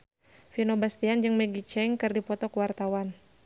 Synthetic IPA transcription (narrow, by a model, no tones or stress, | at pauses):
finobast̪iand͡ʒəŋmɛɡit͡ʃɛŋkɨrdipɔt̪ɔkwart̪awan